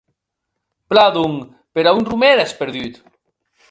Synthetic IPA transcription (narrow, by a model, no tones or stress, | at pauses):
plaðuŋ | peɾaunrumeɾespeɾðyt̪